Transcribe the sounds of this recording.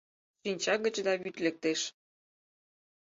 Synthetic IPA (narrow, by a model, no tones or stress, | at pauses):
ʃinʲt͡ɕɑɡə̆t͡ɕd̪ɑβyt̪lek̚t̪eʃ